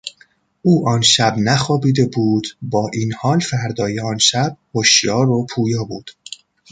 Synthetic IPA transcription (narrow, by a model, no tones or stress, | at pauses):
ʔuːʔɒːnʃæbnæxɒːbiːd̪e̞buːd̪̥bɒːʔiːnhɒːlfæɾd̪ɒːjeɒːnʃæb̥̚hoʃjɒːɾopʰuːjɒːbuːd̪̥